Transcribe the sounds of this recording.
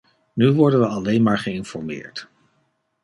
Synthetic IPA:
nyʋɔɹdənʋəɑlejnmaːɹχəɪnfɔɹmɪ̰ːɹt

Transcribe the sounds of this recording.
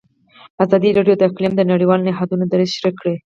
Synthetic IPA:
azɑd̪iɾɑɖjod̪əɪqlimd̪ənaɽiwɑlnɪɦɑd̪unod̪aɾɪʃɾikɽe

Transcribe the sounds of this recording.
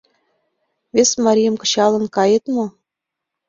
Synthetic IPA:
vʲesʲmɑɾʲijɤ̆mkɤ̆ɕɑlˠɤ̆nkɑjɤt̪mŏ

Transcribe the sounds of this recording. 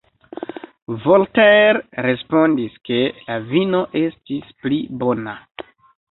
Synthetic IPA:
volteɾɾe̞spo̞ndiske̞lavino̞ʔe̞stisplibo̞na

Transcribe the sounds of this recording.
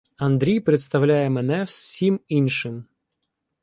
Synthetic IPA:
ɐnd̪ɾʲijpɾeɪt̪st̪ɐwlʲajɛmɛnɛfsʲiminʃɪm

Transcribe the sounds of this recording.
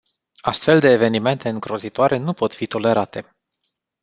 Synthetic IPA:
ast̪fe̞ld̪e̞ːve̞nime̞nt̪e̞ɨŋɡɾo̞zit̪oaɾʔe̞nupo̞t̪fit̪o̞le̞ɾat̪e̞

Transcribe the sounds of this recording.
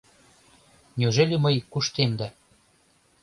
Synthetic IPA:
nʲyʒelʲemɤjkuʃt̪emd̪æ

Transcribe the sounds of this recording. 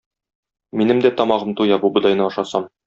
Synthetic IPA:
minɘmd̪æt̪ɒmɑʁɤmt̪ujɑbubɤ̆d̪ˠɑjnɤɒʃɑsɑm

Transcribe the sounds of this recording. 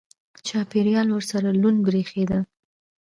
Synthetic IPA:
t͡ʃɑpeɾjɑlwəɾsaɾalunɡɾexed̪a

